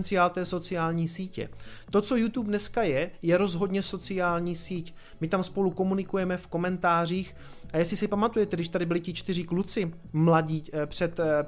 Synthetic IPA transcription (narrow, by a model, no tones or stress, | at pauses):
nt͡sɪjaːlt̪ɛːso̞t͡sɪjaːlɲiːsiːcɛ̰t̪o̞t͡so̞jut̪uːpnɛskajɛjɛɾo̞zɦo̞dɲɛso̞t͡sɪaːlɲiːsiːc | mɪt̪amspo̞luko̞munɪkujɛmɛfko̞mɛnt̪aːr̝iːx | ʔajɛsɪsɪpamat̪ujɛt̪ɛɡdɪʃt̪adɪbɪlɪcɪt͡ʃt̪ɪr̝ɪklut͡sɪ | mlaɟiːpr̝̥ɛt̪